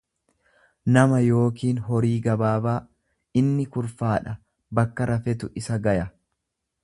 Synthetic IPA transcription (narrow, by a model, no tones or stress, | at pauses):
nɐmɐjo̞ːkiːnɦɔɾiːɡɐbaːbaː | ɪnːɪkʊɾfaːᶑɐ | bɐkːɐɾʔɐfɛt̪ʊʔɪsɐɡɐjɐ